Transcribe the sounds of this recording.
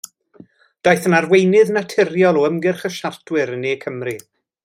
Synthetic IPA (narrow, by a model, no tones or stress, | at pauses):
d̥ajθənarwejnɨðnatʰɪrjɔlˠɔəmɡɪrχəʃartʰwɪɾəneːkʰəmri